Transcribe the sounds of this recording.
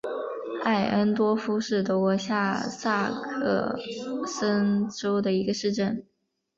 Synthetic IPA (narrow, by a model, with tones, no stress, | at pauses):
a˥˩ɪʔə˥nt̪wɔ˥fu˥ʂɻ̩˥˩t̪ɔ˧˥kwɔ˧˥ɕja˥˧sa˥˧kʰɤ̰˥˩sə˥nʈ͡ʂo˥ʊd̪ə˨i˧˥ɡə˧ʂɻ̩˥˧ʈ͡ʂə˥˩n